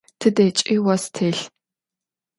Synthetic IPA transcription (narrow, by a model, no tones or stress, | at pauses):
tʰɨdeːt͡ʃʼiwɐstʰeːɬ